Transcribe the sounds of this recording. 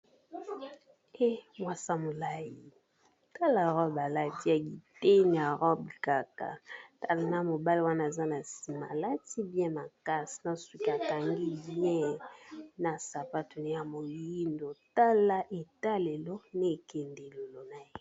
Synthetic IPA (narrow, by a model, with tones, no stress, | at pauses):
e˦mwa˨sa˦mo˨la˦ji˨ | ta˦la˨ʁɔ˦ba˨la˦ti˦a˨ɡi˨te˦n˨a˨ʁɔ˦bi˨ka˨ka̰˨ta˦la˨na˦mo˨ba˦li˦wa˦na˦˨za˦na˨si˨ma˨la˦ti˦bjɛ̃˦ma˨ka˦si̥˨na˦swi˨ki˨a˨ta˨ŋɡi˦bi˦ɛ̃˦ | na˨sa˨pa˦tu˨ne˦ja˨mo˨ji˦ndo˨ta˦la˦ʔe˨ta˦le˨lo˦ne˦˨ke˨nde˨lo˨lo˨na˨je˦